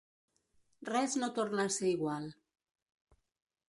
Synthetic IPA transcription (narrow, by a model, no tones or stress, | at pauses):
rɛznot̪oɾnaseiɣwal